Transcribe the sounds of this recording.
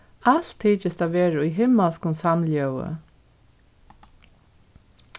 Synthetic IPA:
al̥t̪ʰːiːt͡ʃɪst̪aʋeːɾaujɦɪmːalskʊnsamljœwə̰

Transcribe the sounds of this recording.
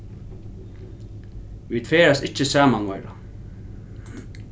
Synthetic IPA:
ʋiːt̪feːɾasɪt͡ʃːəsaːmanʋɔjɾa̰

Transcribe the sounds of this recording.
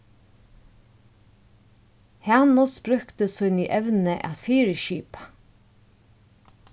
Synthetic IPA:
hanɔsbɾʉkt̪əshʊniːʔɛʋnəʔæ̰t̪fiːɾəʃiːpḁ

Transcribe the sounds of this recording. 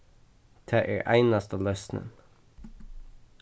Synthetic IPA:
d̪̥ʰæːʔḛːɹʔæ̰ɪnɑst̪əlœsnə̰n

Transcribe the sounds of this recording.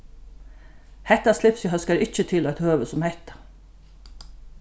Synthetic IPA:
hɛht̪aslɪpsjɪɦœskaɾʔɪt͡ʃət̪ʰɪlɔjt̪høːʋəsʊmhɛht̪ḁ

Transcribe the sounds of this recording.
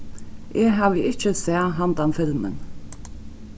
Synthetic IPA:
ʔeːɦaːvəɪt͡ʃəsɛːɐɦand̪amfɪlmə̰n

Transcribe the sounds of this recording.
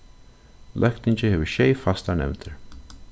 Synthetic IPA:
lʔœk̚t̪ɪnʲt͡ʃəhɪvəʃeːfast̪anɛ̰wt̪ʰəɹ

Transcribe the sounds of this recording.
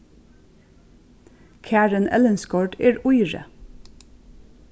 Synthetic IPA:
kʰæːɹənʔɛ̰lənskɔɖeːɹʊɪɹə̰

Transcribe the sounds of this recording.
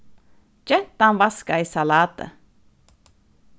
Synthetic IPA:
t͡ʃɛt̪ambaskaisalaːt̪ə̰

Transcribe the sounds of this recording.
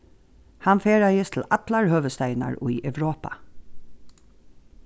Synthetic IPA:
hanfeːɹajəst̪ʰl̩at̪laɹhœːʋəst̪æɪna̰ɹṵiʔɛʋɾoːpa̰

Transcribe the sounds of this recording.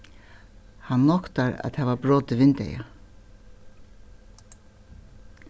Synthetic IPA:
hanːɔkt̪aɾa̰ðt̪ɛːvabɾɔːt̪ɪvɪnt̪ɛ̰ja̰

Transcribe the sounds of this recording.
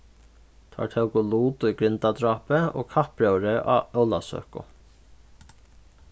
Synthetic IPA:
t̪ʰa̰ːt̪ʰɛwkʊluːt̪ʊjɡɾɪnt̪ad̪ɾɑːpɪo̰ːkʰahpɾœwɾɪʔa̰œwlasø̰ːhkʊ̰

